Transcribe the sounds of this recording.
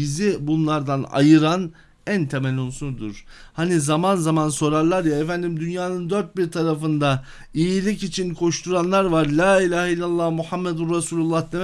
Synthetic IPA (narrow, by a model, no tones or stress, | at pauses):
izibunlˠaɾd̪ana̰jɯɾan | ænt̪ʰemælʲunsund̪ṵɾ̥hanizamanzamanso̞ɾaɾlˠaɾjaefænd̪imd̪ynjaːnɯnd̪øɾt̪̚biɾt̪ʰaɾafɯnd̪a | ijilʲicit͡ʃʰinkʰo̞ʃt̪ʰuɾanlˠaɾvaɾlʲaːilʲaːhilʲːalˠːahmuhamːed̪ynɾasuːlʲulˠːahd̪ʰe